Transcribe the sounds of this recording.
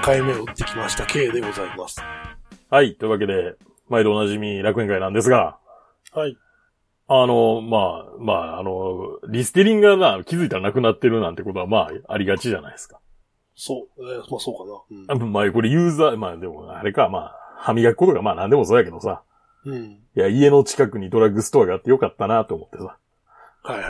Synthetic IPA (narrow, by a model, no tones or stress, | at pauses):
kaimeɯt̪ːe̞kʲimaɕi̥t̪akʰe̞ːd̪e̞ɡo̞zaimasɨ̥hait̪ːo̞iɯ̟βak̬e̞d̪e̞ | maid̪oonaʑimʲiɾakɯ̟ẽ̞ŋkainãnd̪e̞s̬ɨɡa | hai | ano̞maːmaːano̞ɾʲisɨ̥t̪eɾʲĩŋɡɯɡanakʲizɨit̪aɾanakɯ̟nat̪ːe̞ɾɯ̟nãnt̪e̞ko̞t̪oamaːa̰ɾʲiɡat͡ɕiʑana̰id̪esɨ̥kḁ | sosoknmako̞ɾejɯ̟ːzaːmaːd̪e̞mo̞̰a̰ɾe̞kama̰ːhamʲiɡaki̥ko̞t̪o̞ɡamaːnãnd̪e̞mo̞so̞ːjake̞d̪o̞sa | jaie̞no̞t͡ɕi̥kakɯ̟ɲ̟id̪o̞ɾaɡɯ̟sɨ̥t̪o̞aɡaːt̪ːe̞jo̞kat̪ːanat̪ːo̞ːmo̞t̪ːe̞sa | ha